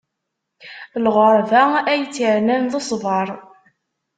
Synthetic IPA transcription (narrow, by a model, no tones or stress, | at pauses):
lʁəɾˤvææjt͡sːiɾnænðəsˤvɑɾˤ